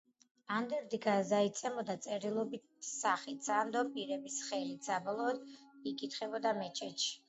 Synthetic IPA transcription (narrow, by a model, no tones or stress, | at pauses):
and̪ɛɾd̪iɡazait̪sʼɛmɔd̪at̪sʼɛɾilˠɔbitsaχit̪sand̪ɔpʼiɾɛbisχɛlit̪sabɔlˠɔːd̪ikʼit̪ʰχɛbɔd̪amɛt͡ʃʰɛt͡ʃʰi̥